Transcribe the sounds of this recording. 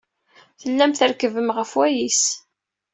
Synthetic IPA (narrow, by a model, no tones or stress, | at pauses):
θəlːæmθəɾkəvəmʁəfwæjis